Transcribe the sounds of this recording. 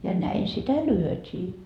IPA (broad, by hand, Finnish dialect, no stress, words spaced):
jɑ næin sitæ lyøtiː